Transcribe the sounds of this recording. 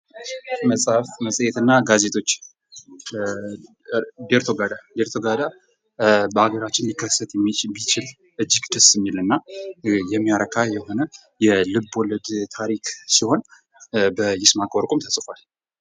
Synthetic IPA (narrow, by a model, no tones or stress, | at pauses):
məsʼhafməsʼəjɛt̪ɨnːaɡaze̞t̪ʰo̞t͡ʃː | d̪eɾt̪ʰo̞ɡad̪ad̪eɾt̪ʰo̞ɡad̪a | bəaɡəɾat͡ʃːɪnlikʰːəsːət̪jɛmːimit͡ʃɪl | ʔɨd͡ʒːɪɡd̪əsjɪmːilɨnːajɛmːijaɾəkʰajɛho̞nə | jɛlɨbːoləd̪t̪ʰaɾiksiho̞n | bəjɪsmakʼoɾkʼumt̪ʰəsʼfal